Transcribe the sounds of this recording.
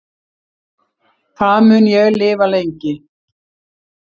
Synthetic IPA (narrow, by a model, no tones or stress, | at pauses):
kʰaðmʏnjɛɣlɪːvalejɲcɪ